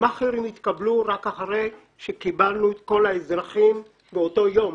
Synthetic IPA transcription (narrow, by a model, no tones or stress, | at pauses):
maχiɾimit̪kabluʁakaχaʁe̞j | ʃekibalnuet̪ko̞laezʁaχim | beoto̞jo̞m